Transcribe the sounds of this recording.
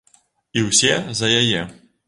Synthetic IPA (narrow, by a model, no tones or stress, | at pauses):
iwsʲɛzɐjajɛ